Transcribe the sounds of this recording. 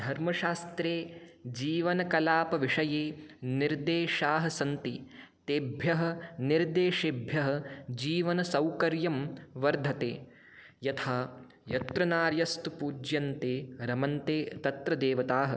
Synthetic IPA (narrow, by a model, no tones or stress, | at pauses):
d̪ʱɐɾmɐʃaːst̪ɾeːd͡ʒiːʋɐnɐkɐlaːpɐʋiʂɐjeːniɾd̪eːʃaːɦɐsɐnt̪it̪eːbʱjɐɦɐ̆niɾd̪eːʃebʱjɐɦɐ̆d͡ʒiːʋɐnɐsɐwkɐɾjɐmʋɐɾd̪ʱɐt̪eː | jɐt̪ʰaː | jɐt̪ɾɐnaːɾjɐst̪upuːd͡ʒjɐnt̪eːɾɐmɐnt̪eːt̪ɐt̪ɾɐd̪eːʋɐt̪aːɦɐ̆